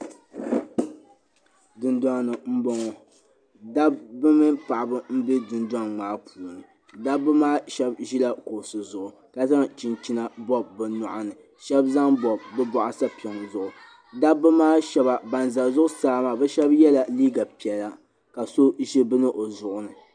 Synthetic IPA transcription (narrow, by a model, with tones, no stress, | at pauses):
dɨ˨nda˦ŋnɨ˨m̩˦bɔ˦ŋɔ˨ | da˦bːɨ˦mɨ˦pa˨ʔa˨bɨ˦m̩˦bɪ˦dɨ˨ndwa˦ŋŋ͡maː˨˦pʰuː˨nɨ˨ | da˦bːɨ˦maː˦ʃɛ˦bʒi˦la˦ko˨sɨ˨zʊ˨ʔʊ˨ | ka˦za˦ŋt͡ʃi˨nt͡ʃi˦na˨bɔ˦b̚ːɨ˨nɔ˨ʔa˦nɨ˨ | ʃɛ˦bza˦ŋbɔ˨b̚ːɨ˦bɔ˨ʔa˨sa˦pi˨ɛ˨ŋzʊ˨ʔʊ˨ | da˦bːɨ˦maː˦ʃɛ˦ba˨ba˨nza˨zʊ˦ʔʊ˦saː˦maː˨bɛ˦ʃɛ˦bjɛ˦la˨liː˦ɡa˨pi˨ɛ˨la˦ | ka˨so˦ʒi˦bɨ˦nɨ˦ʔo˨zʊ˨ʔʊ˦nɨ˨